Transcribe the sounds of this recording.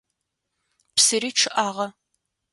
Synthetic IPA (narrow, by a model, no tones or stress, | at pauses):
psɨɾiːʈ͡ʂʰɨʔaːʁɐ